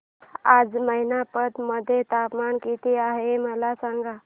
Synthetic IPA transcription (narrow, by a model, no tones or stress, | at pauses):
ad͡zməɦinapət̪məd̪ʱet̪apmankit̪iaɦeməlasãŋɡa